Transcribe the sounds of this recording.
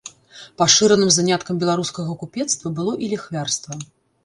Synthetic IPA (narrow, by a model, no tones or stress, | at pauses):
paʂɨɾɐnɨmzanʲat̪kɐmbʲɛlˠaɾuskɐɣɐkupʲɛt̪st̪vɐbɨlˠɔʔilʲɛxvʲarst̪vɐ